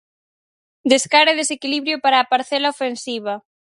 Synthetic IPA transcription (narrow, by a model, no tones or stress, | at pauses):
d̪eskaɾeðesekiliβɾjʊpaɾaːpaɾθɛlaofensiβ̞ɐ